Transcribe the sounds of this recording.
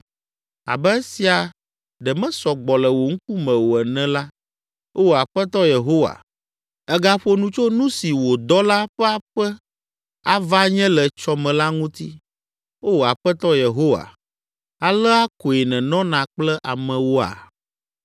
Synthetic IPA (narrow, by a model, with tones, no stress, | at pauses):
a̰˨bɛ˦e˦si˨a˨ | ɖɛ˨mɛ̃˦sɔ˨ɡ͡bɔ˨lɛ˨wo˨ŋ̩˦k̚u˦mɛ̃˨wo˨ɛ˨nɛ̃˦la˦ | o˦wo˨a˨ɸɛ˦t̪ɔ˦je˨ɦo˦wa̰˨ | ɛ˦ɡa˦ɸo˦nũ˦t͡ʃo˦nũ˦si˨wo˨d̪ɔ˦la˦ɸɛ˦a˦ɸɛ˦ | a˦va˦ɲɛ̃˦lɛ˨t͡ʃɔ˦mɛ̃˨la˦ŋũ˦t̪i˦ | wo˦wo˨a˨ɸɛ˦t̪ɔ˦je˨ɦo˦wa̰˨ | a˨lɛ˦a˦ko˨e˨nɛ̃˨nɔ̃˦nã˨k͡plɛ˦ʔa˨mɛ̃˨wo˦a̰˨